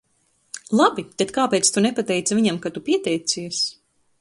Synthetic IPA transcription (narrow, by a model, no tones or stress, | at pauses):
lˠabit̪et̪kaːpɛːjt̪st̪unɛpat̪ɛjt̪saviɲamkat̪upiɛt̪ɛjt̪siɛs